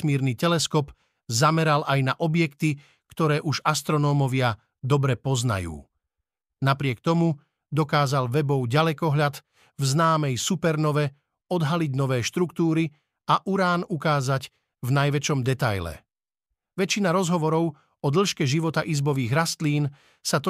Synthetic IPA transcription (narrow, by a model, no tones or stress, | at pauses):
miːɾnit̪ɛlɛskɔp | zamɛɾalʔajnaʔɔbjɛkt̪i | kt̪ɔɾɛːʔuʒast̪ɾɔnɔːmɔʋɪa | d̪ɔbɾɛpɔzna̰jṵː | napɾɪɛkt̪ɔmu | d̪ɔkaːzalʋɛbɔʊɟalɛkɔɦʎad̪ | vznaːmɛjsupɛɾnɔʋɛ | ɔd̪ɦaliɟnɔʋɛːʃt̪ɾukt̪uːɾi | aʔuɾaːnukaːzaɟ | vnajʋɛt͡ʃɔmd̪ɛt̪ajlɛ̰ | ʋɛt͡ʃːinaɾɔzɦɔʋɔɾɔʊ | ɔd̪l̩ʃkɛʒiʋɔt̪aʔizbɔʋiːɣɾast̪liːn | sat̪ɔ